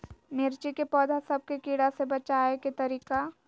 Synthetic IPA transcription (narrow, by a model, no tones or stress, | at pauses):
mɪɾt͡ʃikepɔːd̪ʱasɐb̚kekiːɽasebɐt͡ʃaːeket̪ɐɾiːka